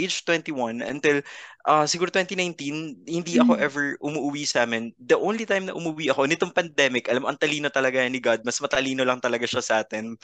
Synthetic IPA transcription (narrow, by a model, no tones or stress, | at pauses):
ejd͡ʒt̪wɛnt̪iwɐnɐ̰nt̪ɪlʔasɪɡuːɾot̪wɛnt̪inajnt̪inhɪnd̪iʔɐko̞ʔɛvɛɹʔʊmuʔʊwiːsaːmɪnd̪ɐʔownlit̪ajmnɐʔʊmuwiʔɐko̞nɪt̪oŋpɐnd̪ɛmɪkʔɐlamoʔɐŋt̪ɐliːno̞t̪ɐlɐɡanɪɡad̪̚mɐsmɐt̪ɐliːnolɐŋt̪ɐlɐɡaʃasɐʔaːt̪ɛn